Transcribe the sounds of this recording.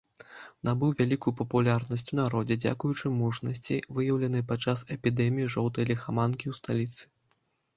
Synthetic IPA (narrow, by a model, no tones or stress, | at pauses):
nabɨwvʲalʲikujupɐpulʲarnɐsʲt͡sʲunaɾɔd͡zʲɛd͡zʲa̰kujut͡ʂɨmuʂnɐsʲt͡sʲḭvɨjɐwlʲɐnɨjpat͡ʂːasɛpʲid̪ɛmʲijiʐɔwt̪ɐjlʲixamankʲiwst̪alʲit̪sɨ̥